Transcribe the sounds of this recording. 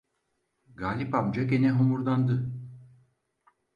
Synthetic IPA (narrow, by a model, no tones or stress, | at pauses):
ɡaːlʲipabd͡ʒakenɛɦomuɾd̪and̪ɯ